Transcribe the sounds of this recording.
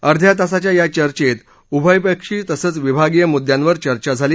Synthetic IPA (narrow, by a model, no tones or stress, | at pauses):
əɾd̪ʱjat̪asat͡ɕjajat͡ɕəɾt͡ɕet̪ | ubʱəjpəkʂiːt̪əsəːt͡sʋibʱaɡijəmud̪jãnʋəɾt͡ɕəɾt͡ɕad͡zʱaliː